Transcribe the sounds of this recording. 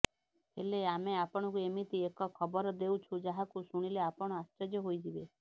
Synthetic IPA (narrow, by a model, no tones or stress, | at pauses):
eleameapɔɽ̃ɔkuemit̪iekɔkʰɔbɔɾɔd̪ewt͡ʃʰud͡ʒaɦakusuɽ̃ileapɔɽ̃ɔast͡ʃɔd͡ʒɔɦojd͡ʒibe